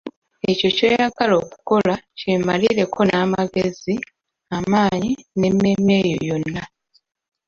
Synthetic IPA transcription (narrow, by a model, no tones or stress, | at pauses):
e̞co̞ceːjaɡalo̞ːku̥ko̞lacemaliːɾe̞kʰo̞naːmaɡezi | amaːɲine̞mːe̞me̞jo̞̰jo̞nːa